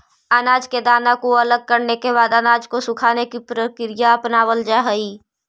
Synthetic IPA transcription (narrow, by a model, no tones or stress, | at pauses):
ənaːd͡ʒked̪aːnakoɐləɡ̚kəɾnekeβaːd̪ənaːd͡ʒkosʊkʰaːnekipɾəkɾɪjaəpnaːwəld͡ʒaːɦəiː